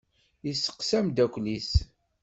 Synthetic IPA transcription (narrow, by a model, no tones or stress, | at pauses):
isːə̥qsæmd̪ækʷlis